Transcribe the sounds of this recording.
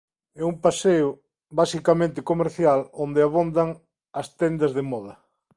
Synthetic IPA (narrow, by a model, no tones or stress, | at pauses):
ɛumpaseʊ | basikamẽnt̪ɪkomeɾθjalond̪eɪaβond̪aŋ | ɐst̪ɛnd̪ɐzðemɔðɐ